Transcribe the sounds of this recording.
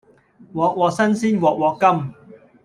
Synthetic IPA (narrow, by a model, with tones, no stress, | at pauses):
wɔː˨k̚wɔː˨˧k̚sɐ˥nsiː˥nwɔː˨k̚wɔː˨˧kːɐ˥m